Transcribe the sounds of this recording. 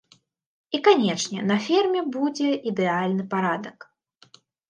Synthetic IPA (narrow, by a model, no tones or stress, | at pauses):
ikanʲɛʂnʲɛnɐfʲirmʲɛbud͡zʲɛʔid̪ɛalʲnɨpaɾad̪ɐk